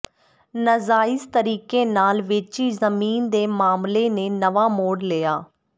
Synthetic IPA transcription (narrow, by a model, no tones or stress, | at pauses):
nəzaːɪst̪əɾiːkeːnaːlʋɪt͡ʃiːzəmiːnd̪eːmaːmleːneːnəʋaːmoːɽlɪːaː